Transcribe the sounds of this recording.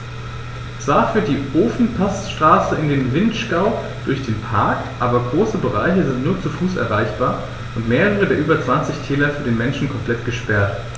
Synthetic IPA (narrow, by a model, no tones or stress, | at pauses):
t͡sv̥aːɐfyːɐd̥iːʔoːfn̩pʰasʃtʁ̥aːsəɪndeːnvɪntʃkaʊ | d̥ʊɐçd̥eːnpʰaɐkʔaːbɐɡʁoːsəbəʁa̰ɪçəzɪntnuːɐt͡sufuːsɛ̰ɐʁaɪçb̥aːɐ | ʔʊntmeːʁəʁ̞ədeːɐʔyːbɐt͡sv̥ant͡sɪçtʰɛːlɐfyːɐdeːnmɛnʃn̩kʰɔmpl̥ɛtɡ̥əʃpɛɐt